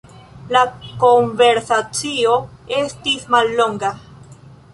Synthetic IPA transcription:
lako̞ɱve̞ɾsat͡sio̞e̞stismalːo̞ŋɡa

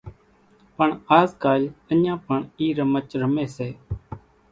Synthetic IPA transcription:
pəɳaːzkaːlənãːpəɳiːɾəmət͡ʃɾəmeːseː

